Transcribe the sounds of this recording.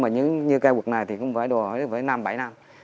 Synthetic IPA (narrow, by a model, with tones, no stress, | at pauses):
maː˨˩ɲɨ̰˧˥ŋɲɨ˧kaː˧jwu˨˩k̚na˨˩jt̪ʰi˨˩kʊ̰˧˥wŋ͡mfaː˧˩jɗo˨˩hoː˨˧˦vəː˧˨˦jna˧mɓa˧˩jna˧m